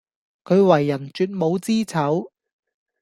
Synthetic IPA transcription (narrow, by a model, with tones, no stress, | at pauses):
kʰɵ˨˧ɥwɐ˨˩jːɐ˨˩nt͡ʃyː˧t̚mo˨˧wt͡siː˥t͡sʰɐ˨˥w